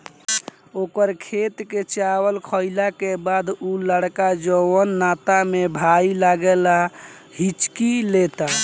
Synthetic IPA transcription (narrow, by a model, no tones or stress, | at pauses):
okəɾkʰet̪ket͡ʃawəlkʰəilakebad̪uləɽkad͡ʒəwənːat̪amebʱailaɡela | ɦit͡ʃkilet̪a